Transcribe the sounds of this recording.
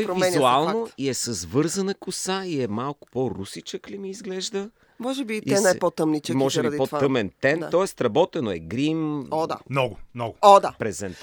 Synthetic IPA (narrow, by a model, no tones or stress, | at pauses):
ɾovimɛzualˠnoiɛsɐzvɤɾzɐnɐkʊsaiɛmalˠkʊ̥poɾusit͡ʃəklimiːzɡlɛʒd̪ə | mɔʒɛbit̪ɛnajpot̪əmnit͡ʃəmɔʒɛɾɐd̪ipoaəmɛnt̪ɛnt̪ɔɛst̪ɾɐbɔt̪ɛnoɛɡɾimɔd̪a̰nɔɡʊmnɔɡʊɔd̪apɾɛzɛnt̪